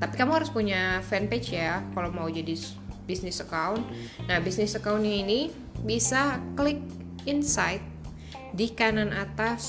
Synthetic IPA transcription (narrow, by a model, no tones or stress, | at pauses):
t̪apikamuŋhaɾʊspuɲafɛnt̪et͡ʃjakalawmaud͡ʒadi | bisnɪsəkaʊn | nahbisnɪsəkaunɲaini | bisaklɪk̚ | insajt̪̚ | dikananat̪as